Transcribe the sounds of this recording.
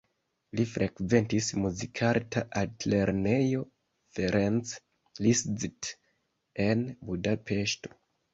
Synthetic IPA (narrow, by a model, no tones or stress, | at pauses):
lifɾʔekve̞ntismuzikʰaɾtʰaʔatleɾne̞jo̞ | feɾens | liszt | enbudapʰe̞ʃto̞̥